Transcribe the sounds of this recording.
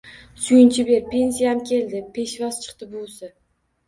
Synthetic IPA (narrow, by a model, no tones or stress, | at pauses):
sʊjɪnt͡ʃʰɪbe̞ɾpʰe̞nsijamkʲʰe̞ld̪ɪpʰe̞ʃvɒst͡ʃʰɨ̥qt̪ɪbʊsɪ